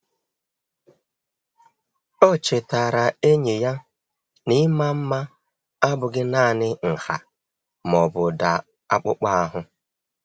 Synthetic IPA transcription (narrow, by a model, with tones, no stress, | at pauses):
o˦t͡ʃe˨ta˨ɾa˨e˦ɲe˨ja˦ | ni˦ma˦m̩˦ma˦ | a˦bʊ˨ɡɪ˦naː˦˨nɪ˦ŋ̩˨ha̰˨ | mɔ˨bʊ˨da˨ | a̰˦k͡pʊ˦k͡pa˦a˦ɦʊ˦